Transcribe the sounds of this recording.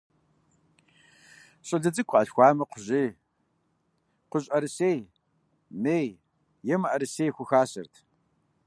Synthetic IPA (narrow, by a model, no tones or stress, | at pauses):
ɕʼɪɮɐd͡zɨkʷʰʔɐɬxʷɑːmɐqʷʊʑiː | qʷʊɕʼɐɾɨseːj | meːj | jɛmɐʔɐɾɨseːjxʷʊxaːɕɐ̰rtʰ